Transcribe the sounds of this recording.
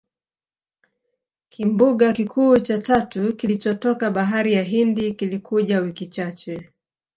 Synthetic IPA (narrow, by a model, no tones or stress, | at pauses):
kʰimbuɠakikʰuːt͡ʃatatukilit͡ʃɔtɔkaɓaɦaɾijaɦindikilikʰuʄawikit͡ʃat͡ʃɛ